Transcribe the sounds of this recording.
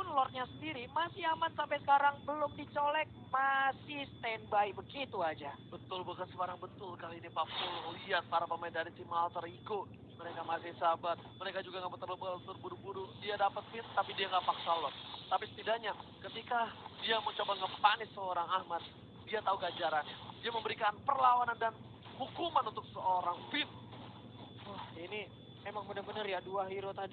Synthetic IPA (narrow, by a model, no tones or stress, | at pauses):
pʊnlɔrɲasəndiɾimasɪɦahmat̪sampajsə̥kaɾaŋbəlʊmdit͡ʃolɛk̚masɪhst̪ɛnbaibəɡit̪uad͡ʒabət̪ʊlbakənsəkaɾaŋbət̪ʊlkaliːnipapulŋliat̪̚paɾapəmedanansimaɦalt̪əɾikʊt̪̚ | məɾekamasɪhsabat̪̚məɾekad͡ʒuɡaŋapət̪ːərləpklat̪urbuɾubuɾudiadapət̪̚fɪt̪̚t̪apidiaŋapaksalɔrt̪apisə̥t̪idaʔɲakət̪ikadiamət͡ʃobaŋəpanɪsəoɾaŋahmat̪̚ | diat̪auɡad͡ʒaɾanadiaməmbəɾikanpərlawanandan | hukumanunt̪ʊk̚səoɾaŋfɪn̚ | əhini | emaŋmudaŋbənəɾjaduaɦiɾot̪adi